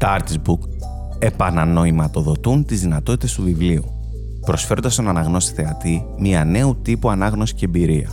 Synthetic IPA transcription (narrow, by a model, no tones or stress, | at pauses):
t̪ɐɾt̪izbuk | e̞pɐnɐno̞imɐt̪o̞ðo̞t̪unt̪izðinɐt̪o̞t̪i̥t̪e̞st̪uvivliṵ | pɾo̞sfe̞ɾo̞nd̪ɐst̪o̞nɐnɐɣno̞st̪i̥θe̞ɐt̪imiɐne̞ut̪ipuɐnɐɣno̞si̥ceːmbiɾiɐ̰